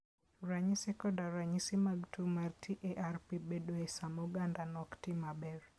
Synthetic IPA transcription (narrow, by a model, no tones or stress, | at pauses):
ɾaɲisɛkɔdaɾaɲisimaɡtʰumartʰiʔeʔarpibedoesamoɡandanɔktimabɛr